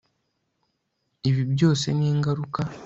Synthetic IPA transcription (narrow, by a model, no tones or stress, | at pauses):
iβibjo̞ːse̞̰niːŋɡaɾuka